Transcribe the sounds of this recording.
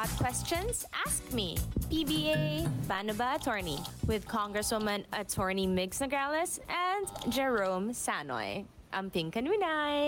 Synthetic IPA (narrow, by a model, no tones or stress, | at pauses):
ɔd̪̚kʰw̥ɛst͡ʃɔ̃nsʔaskmḭpibiebanəbaːt̪ʰɔɹniwɪðkʰɔ̃ŋɡɹɛswʊmɐ̃nɐtʰɔɹnimɪɡsnɐɡaləsɛ̃nd̪d͡ʒɛɹõʊmsanɔ̰ɪ | ʔɐ̃mpɪ̃ŋkɐ̃nwinaɪ